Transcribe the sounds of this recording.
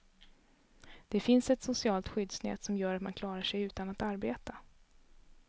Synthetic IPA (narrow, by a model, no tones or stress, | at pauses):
d̪̥ɛfɪnsɛt̪sʊsɪɑːlt̪ɧʏd̪snɛ̰ːt̪sɔmjœːɾat̪ma̰nkʰlɑːɾaʂɛjʉ̟ːt̪anat̪aɾbeːt̪a